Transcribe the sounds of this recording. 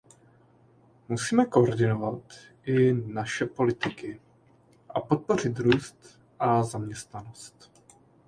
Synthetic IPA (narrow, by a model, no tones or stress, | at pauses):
musiːmɛko̞ʔoɾdɪno̞vat̪ʔɪnaʃɛpo̞lɪt̪ɪkɪ | ʔapo̞t̪̚po̞r̝ɪt̪ɾuːst̪ | ʔazamɲɛst̪nano̞st̪